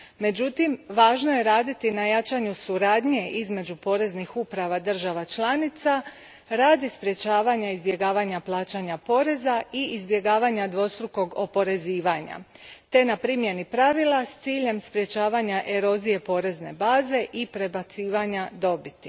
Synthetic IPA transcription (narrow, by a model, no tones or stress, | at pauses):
me̞d͡ʑut̪imʋaːʒnoje̞ɾaːd̪it̪inajat͡ʃaɲusuɾaːd̪ɲe̞ʔizme̞d͡ʒupo̞ːɾe̞znixupɾaʋad̪r̩ʒaʋat͡ʃlˠanit̪sa | ɾaːd̪ispɾje̞t͡ʃaːʋaɲaizbje̞ɡaːʋaɲaplˠaːt͡ʃaɲapo̞ːɾe̞zaiʔizbje̞ɡaːʋaɲad̪ʋo̞st̪ɾuko̞ɡo̞po̞ɾe̞ziːʋaɲa̰ | t̪e̞napɾimje̞nipɾaʋilˠast̪siːʎe̞mspɾje̞t͡ʃaːʋaɲaʔe̞ɾo̞zije̞po̞ːɾe̞zne̞̰baːze̞ʔipɾe̞bat̪siːʋaɲad̪o̞bit̪i̥